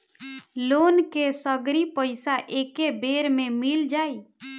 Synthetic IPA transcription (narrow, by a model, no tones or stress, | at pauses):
lonkesəɡɾipəɪsaʔekebeɾmemild͡ʒaj